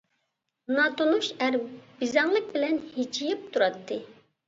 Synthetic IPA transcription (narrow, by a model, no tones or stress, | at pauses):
nɑt̪onuʃæɾbizɛŋlˠɨk̚ʲbɪlɛnhit͡ʃʰijip̚t̪ʰuɾɑt̪ʰːɨ